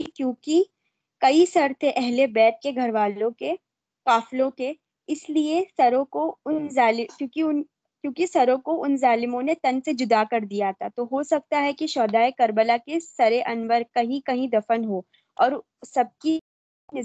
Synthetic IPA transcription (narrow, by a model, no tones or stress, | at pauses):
ikjõːki | kɐisɐɾt̪ʰeʔɛɦlebɛːʈ̚keɡʱɐɾʋaːlõke | kaːflõke | ɪsliesɐɾõkoʊnzaːlɪkjõːkiʊn | kjõːkisɐɾõkoʔʊnzaːlɪmõnet̪ɐnsed͡ʒʊd̪akɐɾd̪ijat̪ʰat̪oɦosɐk̚t̪aɦɛkiʃɔːd̪aːekɐɾbəlakesɐɾeʔɐnʋəɾkɐɦĩkɐɦĩd̪ɐfənɦo | ɔːɾ | sɐb̚ki | ɪ